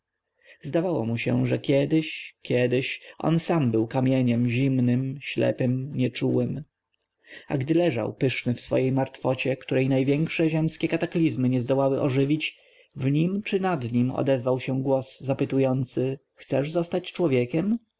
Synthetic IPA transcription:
zd̪avawɔ̰muɕɛ̰ʐɛkʲɛd̪ɘɕkʲjɛd̪ɘɕʔɔ̰nsambɘwkamʲjɛɲɛmʑimnɘmɕlɛ̰pɘmɲɛt͡ʂuwɘm | a̰ɡd̪ɘlɛʐa̰wpɘʂnɘfsfɔ̰jejmaɾt̪fɔt͡ɕɛkt̪uɾɛjnajvʲjɛŋkʂɛʑɛmskʲɛkat̪aklʲizmɘɲɛzd̪ɔwawɘʔɔʐɘvʲit͡ɕ | vɲimt͡ʂɘnad̪ɲimɔ̰d̪ɛzvawɕɛɡwɔszapɘt̪ujɔnt̪sɘ | xt̪sɛʐzɔst̪at͡ɕt͡ʂwɔvʲjɛkʲɛm

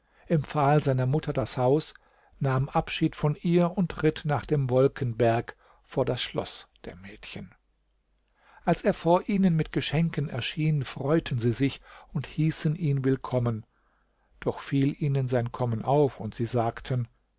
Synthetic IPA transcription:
ʔɪmp͡faːlzaɪnɐmʊtʰɐdashaʊs | naːmʔapʃiːtfɔnʔiːɐʊntʁɪtnaːχd̥eːmvɔlkʰənbɛɐk | foːɐdasʃlɔ̰sd̥ḛːɐmɛːtçən | ʔalseːɐfoːɐʔiːnənmɪtɡ̥əʃɛŋkənɛ̰ɐʃiːnfʁ̥ɔʏtʰən̩ziːzɪçʊnthiːsənʔiːnvɪlkʰɔmən | d̥ɔχfiːlʔiːnənzaɪnkʰɔmənʔaʊfʊntz̥iːzaːktʰən

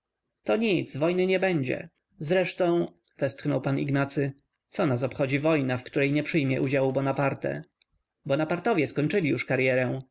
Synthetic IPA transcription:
t̪ɔɲit̪svɔjnɘɲɛbɛɲd͡ʑɛ̰ | zɾɛʂt̪ɔ̃w̃ | vɛst̪xnɔwpanḭɡnat̪sɘ | t̪sɔnas̬ɔpxɔd͡ʑivɔjnafkt̪uɾɛjɲɛpʂɘjmʲjɛʔud͡ʑawubɔnapaɾt̪ɛ̰ | bɔnapaɾt̪ɔvʲjɛskɔɲt͡ʂɘlʲijuʂkaɾjɛɾɛ̃

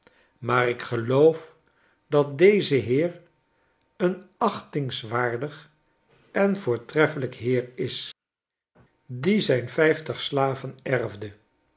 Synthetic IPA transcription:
maːrɪkχəlowf | dɑt̚dejzəɦɪːr | ənɑχtɪŋsʋaːɹdəχ | ɛnvʊːɹtrɛfələkɦɪːɹɪs | dizɛjnfɛjftəχslaːvənɛrvdə

